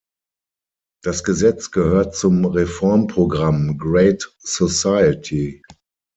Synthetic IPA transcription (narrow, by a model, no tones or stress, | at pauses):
d̥asɡ̥əzɛt͡sɡ̥əhøːɐt̚t͡sʊmʁefɔɐmpʁ̥oɡʁamɡʁeɪt | sosaɪətʰi